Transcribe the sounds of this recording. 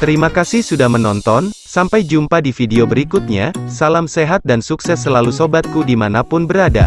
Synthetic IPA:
t̪əɾimakasɪhsudahmənɔnt̪ɔnsampajd͡ʒumpadifideobəɾikut̪̚ɲasalamseɦat̪̚dansuksɛsːəlalusobat̪̚kudimanapʊnbəɾada̰

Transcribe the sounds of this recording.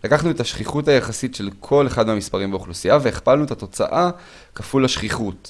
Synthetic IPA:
lakaχnuetaʃχiχutajaχasitʃe̞lkʰo̞le̞χad̪meamispaʁimbeuχlusiave̞eχpalnuetat̪o̞t͡sa̰ʔa | kafulaʃχiχut

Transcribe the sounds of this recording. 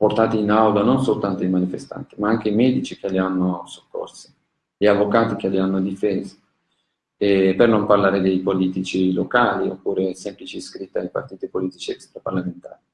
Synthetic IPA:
port̪aːt̪iːnawd̪ononsolt̪ant̪oimanifest̪a̰nt̪imaaŋk̟eimɛːd̪it͡ʃikelianːoso̥kːo̰rsi̥ | ʎiavokaːt̪ik̟elianːod̪ifɛːzḁ | ɛpernomparlaːɾed̪ejpoliːt̪it͡ʃilokaːlio̰pːuːɾesɛmplit͡ʃiskɾit̪ːiajpa̰rt̪iːt̪ipoliːt̪it͡ʃiɛkst̪ɾaparlament̪a̰ːɾi

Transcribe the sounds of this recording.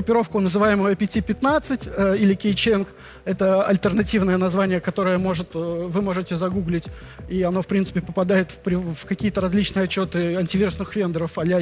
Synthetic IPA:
ɡɾʊpʲɪɾo̞fkʊnəzɨvajɪməjəpʲɪtʲipʲɪt̪nat̪sɨtʲəilʲɪkʲɪjt͡ɕenk | ɛt̪əɐlʲt̪ərnɐtʲivnəjənɐzvanʲɪjəkɐt̪o̞ɾəjəmo̞ʐɨt̪əvɨmo̞ʐɨtʲɪzɐɡuɡlʲɪtʲ | iɐno̞fpɾʲint̪sɨ̥pʲɪpəpɐd̪ajɪt̪fpɾʲɪvkɐkʲijət̪əɾɐzʲlʲit͡ɕnɨjɐt͡ɕːo̞t̪ɨɐnʲtʲɪvʲiɾʊsnɨxvʲe̞nd̪əɾəfɐlʲa

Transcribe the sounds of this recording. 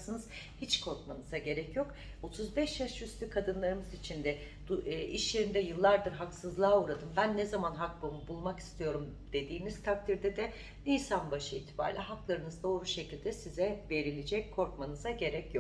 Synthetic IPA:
sɯnɯz̥ | hit͡ʃkʰo̞ɾkmanɯzaɟe̞ɾɛcjo̞k | o̞t̪ʰuzbɛʃjaʃjyst̪ʰykʰad̪ɯnlˠaɾɯmɯzit͡ʃʰind̪ɛ | iʃlʲeɾind̪ɛjɯlˠːaɾd̪ɯɾɦaksɯzlˠaːuːɾad̪ɯmbænːɛzamanɦak̚bomubulˠmaki̥st̪ʰijo̞ɾum | d̪̥e̞d̪iːniz̥t̪ʰak̚t̪ʰiɾd̪ɛd̪ɛ | lʲiːsanbaʃɯiːt̪ʰi̥ba̰ːɾlʲʔɛɦaklˠaɾɯnɯzd̪o̞ːɾuʃe̞cʰilʲd̪ɛsizɛve̞ɾilʲid͡ʒɛc̚ʲkʰːo̞ɾkmanɯzaɟe̞ɾɛcjok

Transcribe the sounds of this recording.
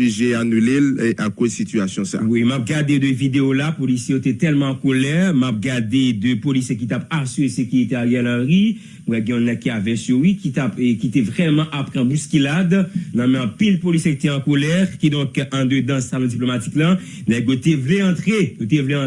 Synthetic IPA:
iʒeanylelʔakozsit̪yasjɔ̃sa̰wimap̚ɡaʁd̪ed̪øvid̪eolapolisjejot̪ɛt̪ɛlmãːkolɛʁmap̚ɡaʁd̪ed̪øpolisjek̬it̪apasyʁesekyʁit̪eajɛlãʁi | mwɛɡɛ̃ɔ̃nɛ̃kːiavɛ̃sywikit̪apkit̪ɛvʁɛmãʔapʁɛ̃buskilad̪nãmɛ̃ɑ̃pilpolisjekit̪ɛɑ̃kolɛʁkid̪ɔ̃kɑ̃d̪ød̪ãsalɔ̃d͡ziplomat̪i̥klã | nɛɡot̪evleɑ̃t̪ʁejot̪evlẽ

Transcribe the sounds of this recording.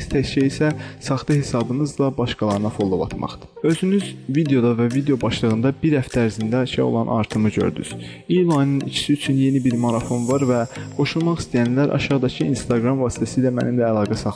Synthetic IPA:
st̪ʰæʃʰæisæsɑχt̪ɯhe̞sɑbɯnɯzlˠɑbɑʃkɑlˠɑɾɯnɑfo̞lˠːobɑ̰t̪ʰmɑ̰χd̪ɯ̥ø̞zynyzvid̪e̞o̞d̪ɑvævid̪eo̞bɑʃlˠɯɣɯnd̪ɑbiɾhæft̪ʰææɾzind̪æɑʃɑ̰o̰lˠɑnʔɑ̰ɾt̪ʰɯmɯɟø̞̰ɾd̪y̰z̥ | ijlˠɑjnɯnḭt͡ʃʰi̥siyt͡ʃʰynje̞nibiɾmoɾɑfo̞nvɑɾvæɡ̥o̞ʃulˠmɑχist̪ijænlæɾʔɑ̰ʃɑʁd̪ɑcʰiinst̪ɑɡɾɑmvɑːsi̥t̪ʰæsilæmæ̰nimlæːlˠɑːɡæsɑ

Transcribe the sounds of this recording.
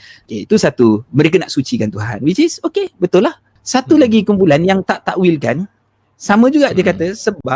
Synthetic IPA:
okeit̪usat̪umə̃ɾek̬ənaʔsut͡ʃikant̪uɦa̰nwit͡ʃɪsokebət̪ʊlːah | sat̪ulaɡikumpulanjaŋt̪aʔt̪aʔwilkan | samə̃d͡ʒuɡaʔdiəkat̪əsəbap̚

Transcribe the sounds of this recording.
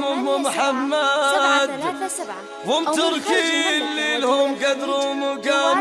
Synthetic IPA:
mʊmʊmħamːad̪ | wɪmt̪ʊɾkiɪlːilhʊmɡad̪ɾumʊɡaːm

